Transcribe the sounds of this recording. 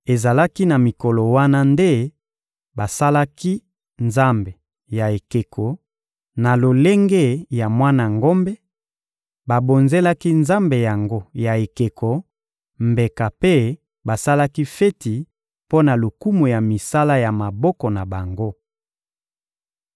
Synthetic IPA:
e˨za˨la˦ki˦na˨mi˨kɔ˨lɔ˨wa˦na˦nde˦ | ba˨sa˦la˦ki˦ | nza˦mbe˨ | ja˨e˨ke˨kʰɔ˨ | na˨lo˨le˦ŋɡe˦ja˨mwa˦na˨ŋɡo˦mbɛ˦ | ba˨bo˨nze˦la˦ki˦nza˦mbe˨ja˨ŋɡo˦ja˨e˨ke˨kʰɔ˨ | mbe˨ka˨pe˦ | ba˨sa˦la˦ki˦fe˦ti˨ | po˦na˨lo˨ku˦mu˨ja˨mi˨sa˦la˦ja˨ma˨bɔ˦kɔ˨na˨ba˨ŋɡo˦

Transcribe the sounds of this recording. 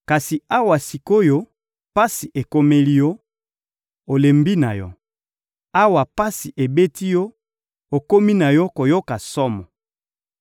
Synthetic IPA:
ka˨si˨a˦wa˨si˨ko˦jo˦ | pa˦si˨ʔe˨ko˦me˦li˦jɔ˦ | o˨le˨mbi˦na˨jɔ˦ | a˦wa˨pa˦si˨ʔe˨be˦ti˦jɔ˦ | o˨ko˦mi˦na˨jɔ˦ko˨jo˦ka˨sɔ˦mɔ˨

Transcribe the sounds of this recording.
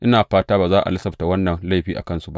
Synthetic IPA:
ʔɪ˦naː˨ɸaː˦taː˦baː˨zaː˦ʔa̰˨lɪ˦sɐ˦ɸta˨wɐ˦nːɐ˨nla˦˨jɸiː˦ʔa̰˨kɐ˦nsu˦ba˦ʔ

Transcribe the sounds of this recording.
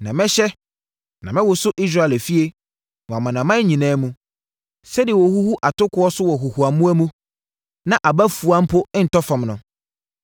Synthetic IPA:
nã˨mɛ̃˦ɕɛ˦ | nã˨mɪ̃˦wʊ˨sʊ˦ʔi˦s̬ɾa˦˨ɛ˨læ˨fi˦e˦ | wɔ̃˨a˨mã˨nã˨mã˦ɲĩ˨nãː˦mũ˦ | sɛ˦dɪ˨e˨wɔ˨hu˦hu˦ʔa˨tʊ˦kʊ˦ɔ˦sʊ˦wɔ˨ɦu˨hu˨a˨mũ˦æ˦mũ˦ | nã˨ʔa˨bæ˦fu˨a˦m̩˦pʰʊ˦n̩˨tɔ˦fã˨mnʊ̃˨

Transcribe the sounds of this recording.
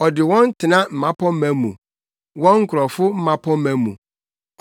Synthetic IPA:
ɔ˨dɪ˨wɔ̃˦n˦tʰɪ˨nã˦m̩˨mã˦pʰɔ˦m̩˦mæ̃˨mũ˨ | wɔ̃˦ŋ̩˦kʰʊ˨ɾɔ˨fʊ˦m̩˦mã˦pʰɔ̃˦mæ̃˨mṵ̃˨

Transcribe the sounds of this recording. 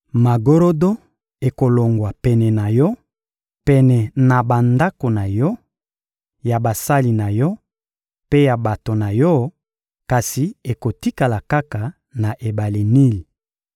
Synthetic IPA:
ma˨ɡo˦ɾo˦do˦ | e˨ko˨lo˨ŋɡwa˨pɛ˨nɛ˨na˨jɔ˦ | pɛ˨nɛ˨na˨ba˨nda˦ko˨na˨jɔ˦ | ja˨ba˨sa˦li˨na˨jɔ˦ | pe˦ja˨ba˨to˨na˨jɔ˦ | ka˨si˨e˨ko˨ti˦ka˨la˨ka˦ka˨ | na˨ʔe˨ba˨le˨ni˦li˨

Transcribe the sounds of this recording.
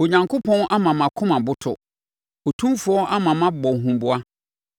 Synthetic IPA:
o˨ɲã˨ŋkʰʊ˦pʰɔ̃˦nʔa˦mã˨mã˨kʰʊ̃˦mã˨bʊ˦tʰʊ̰˨ | o˨tʰũ˦fʊ˦ɔ˦ʔa˦mã˨mã˦bɔ˨ɦũ˨m˦bʊ˦a˦

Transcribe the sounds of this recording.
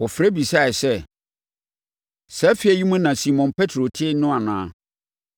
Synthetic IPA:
wɔ˨fɾɛ˦bi˨sa˦˨ɛ˨sɛ˦˨ | sɛ˦fi˦ɛ˨ji˦mũ˦nã˨si˨mɔ̃˨npʰɛ˦tʰɾo˨tʰɪ˦nʊ̃˦a˨nãː˦

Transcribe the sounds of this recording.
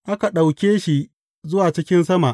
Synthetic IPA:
ʔa˦ka˨ɗa˨wkʲeː˦ʃi˨ʔ | zʊ˦waː˨t͡ʃɪ˦kʲɪ˦nsɐ˦ma˨ʔ

